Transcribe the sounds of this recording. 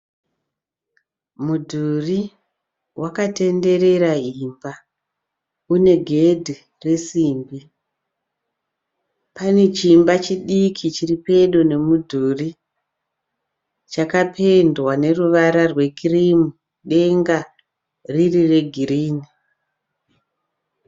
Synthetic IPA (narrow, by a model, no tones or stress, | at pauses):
mudʱuri | wʔakate̞nde̞ɾe̞ɾaiːmba | une̞ɡʱe̞dʱi | re̞siːmbi | pane̞t͡ʃimbat͡ʃiɗikʰit͡ʃiripe̞ɗune̞mudʱuri | t͡ʃakapʰe̞ndwane̞ruʋaɾarwe̞kʰirimu | ɗe̞ŋɡa | ririre̞ɡʱiriːni